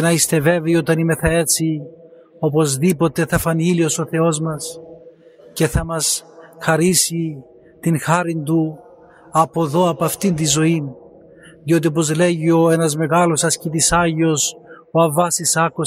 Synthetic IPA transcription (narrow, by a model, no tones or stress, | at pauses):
enɐist̪e̞ve̞veio̞t̪ɐnimeθɐe̞t͡si | o̞po̞zðipo̞t̪e̞θɐfɐnilio̞so̞θe̞o̞zmɐs | ce̞θɐmɐsxɐɾisi | t̪inxɐɾind̪u | ɐpo̞ðo̞ɐpɐft̪ind̪izo̞in | ðjo̞t̪̬iop̬o̞zle̞ʝio̞e̞nɐzme̞ɣɐlosɐscit̪isɐʝio̞s | oɐvɐsisɐko